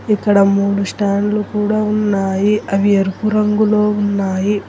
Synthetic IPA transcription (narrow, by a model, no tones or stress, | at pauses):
ikːɐɽɐmuːlusʈaːɳlukuːɽaːunːaːjiɐʋiɐɾupuɾɐŋɡulo̞ːunːaːji